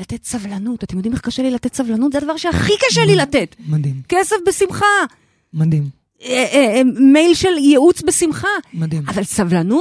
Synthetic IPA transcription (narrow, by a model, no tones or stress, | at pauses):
latetsavlanutat̪emjodimeχkaʃelilatetsavlanutzead̪avaʁʃeaχikaʃelilatetmadimkesefbesimχa | mad̪im | emejlʃeljeut͡sbesimχamadimavalsavlanu